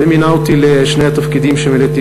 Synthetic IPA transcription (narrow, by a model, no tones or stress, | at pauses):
eminaut̪ileʃnejhat̪afkid̪imʃemelɛt̪i